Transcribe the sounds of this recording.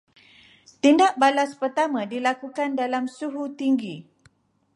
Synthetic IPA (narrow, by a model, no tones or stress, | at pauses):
t̪indaʔ̚balaspərt̪amãdilakukandalamsuɦut̪iŋɡi